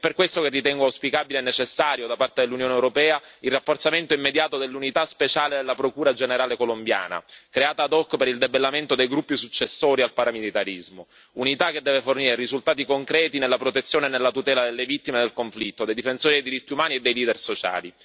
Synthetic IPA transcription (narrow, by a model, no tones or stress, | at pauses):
ɛpːerkwest̪okerːit̪ɛŋɡoawspikaːbileːnːet͡ʃesːaːɾjod̪apart̪ed̪elːunjoːnewɾopɛːailrːafːort̪sament̪oimːed̪jaːt̪od̪elːunit̪aspet͡ʃaːled̪elːapɾokuːɾad͡ʒeneɾaːlekolombja̰ːna̰kɾeaːt̪aːd̪ɔkːpeɾild̪ebelːament̪od̪ejɡɾupːisut͡ʃːesːoːɾialpaɾamilit̪aɾizmo | unit̪akːed̪ːɛːveforniːɾerizult̪aːt̪ikoŋkɾɛːt̪inelːapɾot̪et̪sːjoːnenelːat̪ut̪ɛːlad̪elːevit̪ːimed̪elkoɱflit̪ːod̪ejd̪ifensoːɾid̪ejd̪iɾit̪ːiumaːnied̪ːejliːd̪ersot͡ʃa̰ːli